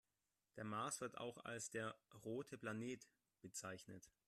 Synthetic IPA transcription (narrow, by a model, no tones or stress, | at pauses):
d̥eːɐmaːsv̥ɪɐta̰ʊxa̰lsd̥eːɐʁoːtʰəpl̥aneːt | b̥ət͡saɪçnət